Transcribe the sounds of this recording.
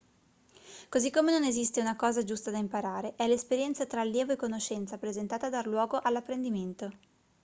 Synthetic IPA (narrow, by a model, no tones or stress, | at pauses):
kozikːomenonezist̪eunakɔːzad͡ʒust̪ad̪aimpaɾaːɾeʔɛlespeɾjɛnt̪sat̪ɾaːljɛːvoekːonoʃɛnt̪sapɾezent̪aːt̪ad̪ːarlwɔːɡoʔalːapːɾend̪iment̪o